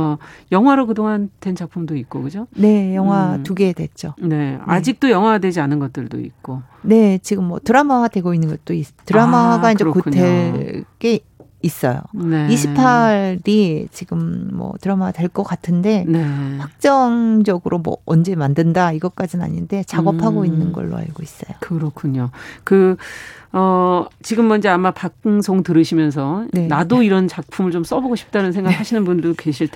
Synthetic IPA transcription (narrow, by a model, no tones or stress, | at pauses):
jʌŋɦwaɾokɯdoŋandwend͡ʑʰapʰumdoik͈okɯd͡ʑone̞jʌŋɦwatuɡe̞dwe̞t͡ɕ͈one̞a̰d͡ʑik̚t͈ojʌŋɦwadwe̞d͡ʑianɯnɡʌt͈ɯɭdo̰ḭk̚k͈o | ne̞t͡ɕiɡɯmːwʌtɯɾamaɡadwe̞ɡoinːɯnɡʌt̚t͈ois͈tɯɾamaɡaind͡ʑekutʰeɭɡ͈e̞ | is͈ʌ̰jo̰neiɕʰipʰaɾit͡ɕiɡɯmːʌ̰tɯɾʌmadwe̞ɭk͈ʌk͈atʰɯnde̞neɸwak̚t͡ɕ͈ʌŋd͡ʑʌɡɯɾʔomwʌ̰ʌnd͡ʑe̞mandɯndaiɡʌk͈ad͡ʑina̰ɲinde̞t͡ɕaɡʌpʰaɡoinːɯnɡʌ̰ɭːo̰a̰ɭɡois͈ʌ̰jokɯɾʌkʰuɲokɯ | ʌt͡ɕiɡɯmːʌnd͡ʑeamapakɯŋsʰoŋtɯɾɯɕʰimjʌns̬ʰʌne̞nadoiɾʌnt͡ɕak̚pʰumɯɭt͡ɕoms͈ʌboɡoɕʰi̥p̚t͈anɯnsʰeŋɡaɡɯhaɕʰinɯnbundɯkeɕʰiɭtʰ